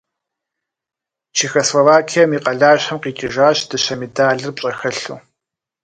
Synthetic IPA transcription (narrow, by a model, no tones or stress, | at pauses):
t͡ʃʰiːxoslovaːkʰijɐmiːqɐɮaːɕħɐmqiːt͡ʃʼɪʒaːɕd̥ɨɕɐmedaːɮɨrpɕʼɐxɐɬṵː